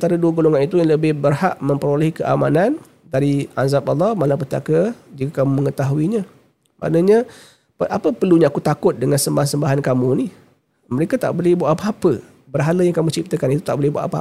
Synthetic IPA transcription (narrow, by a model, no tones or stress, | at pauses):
t̪aɾaduəɡoloŋanit̪ujaŋləbɪhbərhaʔmə̃mpəɾolɛhkəʔa̰manan | daɾiazap̚ɑlˠːɑhmalapət̪a̰kəd͡ʒikakamuməŋət̪aɦuiɲã | mʔa̰ʔnəɲa | pəʔapəpərluɲaːkut̪akʊt̪̚dəŋansəmbaɦansəmbaɦankamuni | məɾekat̪a̰ʔbolɛhbuaʔapaapə | bərɦalajaŋkamut͡ʃip̚t̪əkanit̪ut̪aʔbolɛhbua̰ʔapa